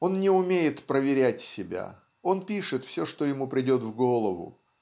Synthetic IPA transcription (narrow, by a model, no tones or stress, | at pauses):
o̞nnʲɪʊmʲejɪt̪pɾəvʲɪɾʲætʲsʲɪbʲa̰ | o̞npʲiʂɨt̪fsʲɵʂt̪ojɪmupɾʲɪdʲo̞t̪vɡo̞lˠəvʊ̰